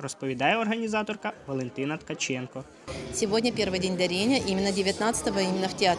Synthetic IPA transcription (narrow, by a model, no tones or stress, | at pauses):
rɔspɔʋʲid̪ɑjɛɔrɦɐnʲizɑt̪ɔrkɐʋɔlˠent̪ɪnɐt̪kɐt͡ʃɛnkɔ | sʲɪʋodʲnʲɐpʲervɨjdʲenʲd̪ɐɾʲenʲəʔimʲɪnːədʲɪʋʲjɐt̪nat̪sə̥t̪əʋɐimʲɪnːɐftʲɪat̪